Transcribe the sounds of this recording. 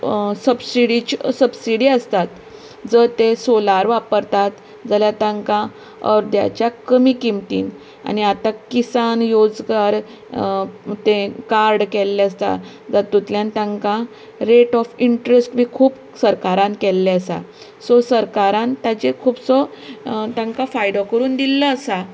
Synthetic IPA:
səbsiɽit͡ɕsəbsiɽiːəst̪at̪ | d͡zət̪esolaɾʋapəɾt̪at̪ | d͡zaljat̪ãŋkã | əɾd̪ja̰t͡ɕjakəmiːkimt̪ḭːn | a̰niat̪akisanjod͡zɡaɾ | t̪ẽkaɾɖkɛlːeəst̪a̰ | d͡zat̪ːut̪ljant̪ãŋkã | ɾeʈɔfiɳʈɾesʈʋiːkʰuːp | səɾkaɾãnkɛlːeəsa̰ | sɔsəɾkaɾãnt̪at͡ɕekʰuːbsɔ | t̪ãŋkafajd̪ɔkəɾuːnd̪ilːəəsa

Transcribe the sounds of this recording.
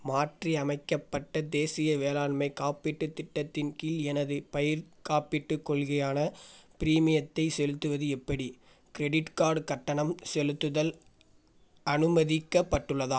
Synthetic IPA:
maːʈriɐmɐɪkːɐpːɐʈːɐd̪eːsɪjɐʋeːlaːɳmɐɪkaːpɪʈːɯt̪ːɪʈːɐt̪ːɪnkiːlɛnɐðɯpɐjɪɾkaːpɪʈːɯkːɔɭɣɐjaːnɐpɪɾiːmɪjɐt̪ːɐɪsɛlɯt̪ːɯʋɐðɯɛpːɐɽi | kɪɾɛɽɪʈkaːɾɖkɐʈːɐɳɐmsɛlɯt̪ːɯðɐl | ɐnɯmɐðɪkːɐpːɐʈːɯɭːɐðaː

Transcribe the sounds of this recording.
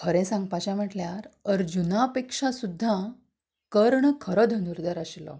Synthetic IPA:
kʰəɾɛ̃sãŋɡ̚pat͡ɕãm̤əʈljaɾəɾd͡ʑunapekʂasud̪ʱːa | kəɾɳkʰəɾɔd̪ʱənuɾd̪əɾaɕlɔ̰

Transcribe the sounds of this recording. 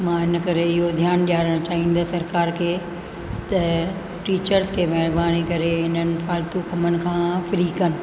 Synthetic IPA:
mãːɦɪnə̆kɐɾeɪɦod̪ʱjaːnɗjaːɾəɽ̃t͡ɕaːɦĩːn̆d̪ɐsɐɾkaːɾkʰeː | t̪ɐ | ʈiːt͡ɕəɾzkʰeːmɛːɾbaːnikɐɾeɦɪnənɪ̆fʰaːlt̪ukʰɐmənɪ̆kʰãːfɪɾikɐnɪ̆

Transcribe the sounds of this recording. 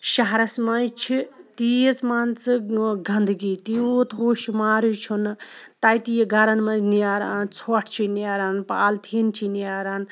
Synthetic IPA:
ʃaɦɾɐsmajt͡ʃʰit̪iesmaːnt͡sɨɡɐnd̪ɨɡit̪iot̪ɦoːʃimaːɾut͡ʃʰunɨt̪ajt̪ijeɡaɾɐnmɐniaːɾaːnt͡sʰoʈʰt͡ʃʰiniaːɾaːnpaːlt̪ʰint͡ʃʰiniaɾaːn

